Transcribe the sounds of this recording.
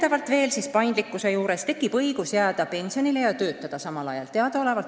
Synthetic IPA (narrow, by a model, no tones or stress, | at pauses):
t̪ɑvɑlt̪ˑve̞ːlsispɑjnd̪likːˑuse̞juːɾe̞st̪e̞kːˑib̥ɤjɡ̥usjæːd̪̥ɑpe̞nʲsio̞nile̞jɑt̪ø̞ːt̪ːˑɑd̪̥ɑsɑmɑlɑ̰jɑ̰lt̪e̞ɑd̪̥ɑo̞le̞vɑl